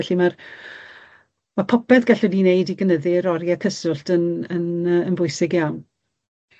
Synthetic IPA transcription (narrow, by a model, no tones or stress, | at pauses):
ɛɬimar | marpʰɔpɛðɡaɬɔdinejdiɡənəðɪɾɔɾjakʰəsʊɬtʰənənəənvʊɨsɪɡjawn